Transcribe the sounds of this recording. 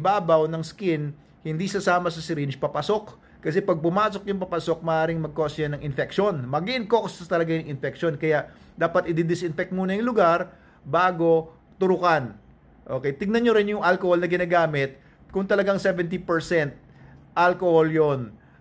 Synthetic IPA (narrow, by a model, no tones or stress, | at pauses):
baːbɐwnɐŋskɪn | hɪnd̪isɐsaːmɐsɐsɪɾɪnt͡ʃpɐpɐso̞k | kɐsɛpɐɡ̚pʊmaːso̞kjʊŋpɐpɐso̞k̚mɐʔaːɾɪŋmɐɡ̚kosɐnɐŋʔɪnfɛk̚ʃonmɐɡiʔɪnkoksɐt̪ɐlɐɡajʊŋɪnfɛk̚ʃonkɐjaʔ | d̪aːpɐt̪ʔɪd̪ɪd̪ɪsʔɪnfɛk̚t̪̚muːnɐjʊŋlʊɡaɾ | baːɡo̞ | t̪ʊɾʊkan | ʔokɛjt̪ɪɡ̚nɐnjoɾɪnjʊŋʔalkoholnɐɡɪnaːɡaːmɪt̪̚ | kʊŋt̪ɐlɐɡaŋsɛvɛnt̪̬ipɛɹsɛnt̪̚ | ʔalkoholjon